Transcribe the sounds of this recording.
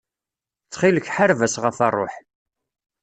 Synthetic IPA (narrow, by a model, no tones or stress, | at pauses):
t͡sːχiləçħaɾvæsʁəfɑrˤːo̰ħ